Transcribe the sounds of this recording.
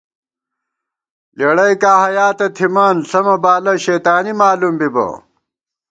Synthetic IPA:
leɽɐjkaːhɐjaːt̪ɐt̪ʰimaːnsɐmɐbaːlɐɕeːt̪aːnimaːlumbibɐ̰

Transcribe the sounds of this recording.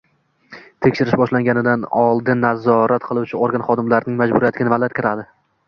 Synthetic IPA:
t̪ʰekʲʃɪɾɪʃbɒʃlaŋɡʲanɪd̪anɒlˠd̪ɪnːazɒɾat̪qʰɨlˠuwt͡ʃʰɪoɾɡanχɒd̪ɪmlaɾɪnɪŋmad͡ʒbʊɾijat̪ɪɡʲnavad̪at̪̚kʲɪɾad̪ɪ

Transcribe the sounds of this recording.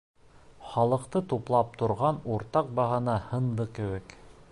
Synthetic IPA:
χɑlˠɤ̆qt̪ɤt̪uplˠɑp̚t̪ŏɾʁɑnuɾt̪ɑq̚bɑɦɑnɑhɤ̆nd̪ɤkɘ̆wɘk

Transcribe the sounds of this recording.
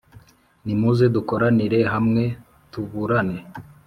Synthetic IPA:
nimuzeduko̞ɾaniɾe̞ɦamŋe̞ | tuβuɾane

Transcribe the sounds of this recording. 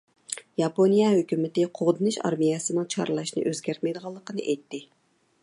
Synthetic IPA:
jɑponijɛɦøkʲymɪt̪ɪqʰoʁd̪ɨnɨʃɑ̰ɾmijɛsɨnɨŋt͡ʃʰɑ̰ɾlˠɑʃnɨ̰ʔøzɡʲæɾt̪̚mɛjd̪əʁɑlˠːəqənɨʔɛjt̪ːɪ

